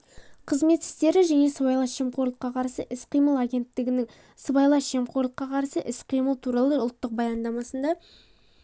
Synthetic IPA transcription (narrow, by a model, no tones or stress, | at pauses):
qʰəzme̞t̪ɪ̥st̪e̞ɾɪʒæne̞səbɑjlˠɑsʃe̞mqoɾlˠəqːɑqʰɑɾsəʔɪsqijməlˠaɡʲe̞nt̪ːɪɡʲɪnɪŋ | səbɑjlˠɑsʃe̞mqoɾlˠəqːɑqʰɑɾsəʔɪsqʰijməlˠt̪ʰuɾɑlˠəʊlˠt̪ːəq̚bɑjɑnd̪ɑmɑsənd̪ɑ